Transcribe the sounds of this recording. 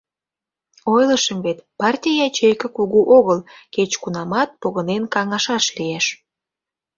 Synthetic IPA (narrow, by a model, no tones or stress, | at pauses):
ojləʃəmβet̪pɑrtʲijɑt͡ɕejkəkuɣuʔoɣəlket͡ɕkunɑmɑt̪̚poɣənenkɑŋɑʃɑʃlieʃ